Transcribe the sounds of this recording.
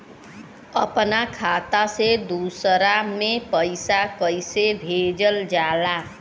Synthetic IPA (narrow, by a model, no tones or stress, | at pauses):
ʌpnakʰat̪ased̪usɾamepəjsakʌjsebʱed͡ʒəld͡ʒala